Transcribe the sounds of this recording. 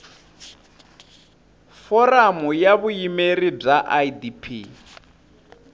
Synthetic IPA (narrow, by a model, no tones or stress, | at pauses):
fɔramujaβujimerib͡ʐaʔajdipʰi